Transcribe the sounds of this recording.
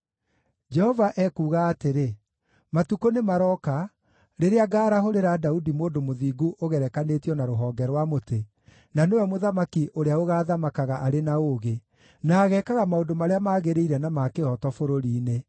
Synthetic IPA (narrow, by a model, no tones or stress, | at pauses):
d͡ʒɛhɔvaʔɛkuːɣaːteɾe | matukonemaɾɔka | ɾeɾeaɡaːɾaɦoɾeɾadaudimoːndomoðiːɡuʔoɣɛɾɛkanetiɔnaɾoɦɔːŋɡɛɾwamote | nanewɛmoðamakiʔoɾeaoɣaːðamakaɣaʔaɾenaoɣe | naːɣɛːkaɣamaondomaɾeamaːɣeɾeiɾɛnamakeɔtɔfoɾoɾiːne